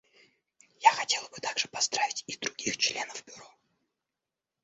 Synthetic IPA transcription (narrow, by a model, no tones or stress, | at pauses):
jaxɐtʲe̞lˠəbɨt̪aɡʐɨpɐzd̪ɾavʲɪtʲid̪ɾʊɡʲixt͡ɕlʲenəvbʲʊɾo